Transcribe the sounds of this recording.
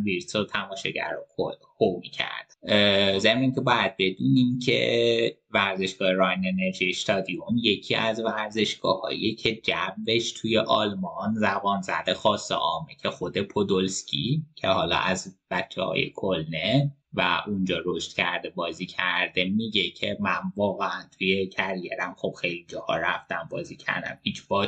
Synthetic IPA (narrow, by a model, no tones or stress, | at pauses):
viɾt̪sot̪ʰæmɒːʃɒɟæ̰ɾokʰo | homicʰæ̰ɾd̪zemniŋcʰe̞bɒːjæd̪̥̚be̞d̪uːniːmcʰe̞̰væɾze̞ʃɡ̥ɒːheɾɒjnene̞ɾʒiest̪ʰɒd̪iomje̞cʰiːʔæzvæɾze̞ʃɡ̥ɒːhɒ̰ːj̰ecʰe̞d͡ʒæmbe̞ʃt̪ʰuje̞ʔɒlmɒnzæbɒːnzæd̪exɒːsːḛʔɒːmecʰexod̪e̞pʰo̞d̪olscʲʰḭcʰe̞hɒːlɒ̰ʔæzb̥æt͡ʃʰːḛhɒ̰ːjḛkʰolnevæ̰ʔund͡ʒɒːɾoʃt̪cʰæɾd̪e̞bɒːziːcʰæɾd̪̥e̞miɟecʰe̞mænvɒːɣeænt̪ʰujecʰæɾijḛɾæmxob̥̚xejlid͡ʒɒhɒ̰ɾæ̰ft̪æmbɒːziːcʰæ̰ɾd̪æ̰mhit͡ʃʰbɒ